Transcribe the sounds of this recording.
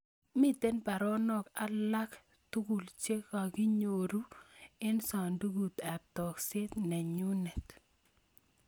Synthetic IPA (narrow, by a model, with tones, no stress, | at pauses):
mi˨t̪e˦npa˨ɾɔ˦nɔ˦ka˨˦la˦k | t̪u˦ku˨lt͡ʃe˦ka˨ki˦ɲo˨ɾu˦ɪ˦nsa˨ndu˦ɡu˨t̪ɛ˨p̚tɔ˨kse˦t̪nɛ˨ɲu˦nɛ˨t̪